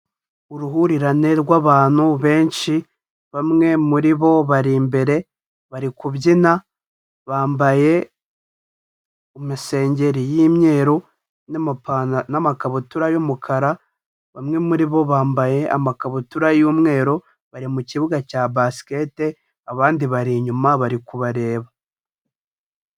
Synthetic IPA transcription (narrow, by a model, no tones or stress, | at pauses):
uɾuɦuɾiɾane̞ɾɡwaːβaːn̥huβe̞ːnʃi | βamŋe̞muɾiβo̞βaɾimbe̞ɾe̞ | βaɾikuβɟina | βaːmbaje̞ | umise̞ːɲɟe̞ɾijimɲe̞ːɾo | napanamakaβutuɾajomukʰaɾa | βamŋe̞muɾiβo̞βaːmbaje̞ʔa̰makaβutuɾajumŋe̞ːɾo | βaɾimuciβuɡacaːbasi̥ke̞ːte | aβaːndiβaɾiɲumaβaɾikuβaɾe̞ːβa